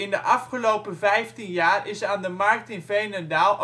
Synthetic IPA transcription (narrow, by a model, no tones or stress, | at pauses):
ɪndəʔɑfχəlowpəvɛjftinjaːrɪsaːndəmɑɹk̚tɪnvejnədaːlˠ